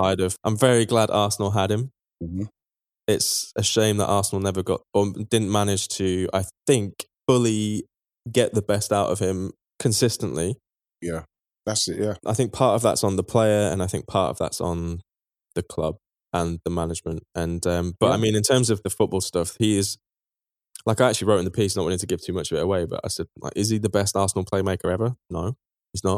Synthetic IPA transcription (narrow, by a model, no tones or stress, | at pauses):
aɪɾəv̥ã̰ɪ̃ɱvɛɹiɡladɑˑsən̩l̩ˠɦədɪ̃m | m̩m̥m̩ | ɪtsəʃẽɪ̃mðə̰ʔɑˑsən̩l̩ˠnɛvəɡɒ̰tədɪdⁿn̩manɪd̥ʒ̥tʰəa̰ɪθɪ̃ŋkfʊli | ɡɛʔðəbɛstaʊtə̰v̥ɪ̃m | kʰə̃nsɪstə̃nʔli | jæ | ðatsɪʔjæʔa̰ɪθɪ̃ŋk̚pʰɑˑtəvðə̰tsn̩ðəpʰl̥eɪəɹə̰̃naɪθɪ̃ŋk̚pʰɑˑtə̰vða̰tsn̩ | ðəkʰl̥ʌ̰b̥̚ | ʔə̃nðəmanɪd͡ʒmə̃ntʔə̃nʌ̃mb̥ʌɾa̰ɪmĩnɪ̃ntʰɜ̃ːmzəvðəfʊʔ̚b̥ɔːlˠstʌfhiɪz̥ | laɪkaɪak̚t͡ʃʉl̩ˠiɹoʊɪ̃nðəpʰiˑs̬nəʔwɒ̃ñɪ̃ŋtʰəɡɪv̥tʰʉːmʌt͡ʃəvɪtəweɪbʌ̰ta̰ɪsɛd̚la̰ɪkɪz̥iðəbɛstɑˑsn̩l̩ˠpʰeɪmeɪkə˞ɛvənoʊ | hiznəʔ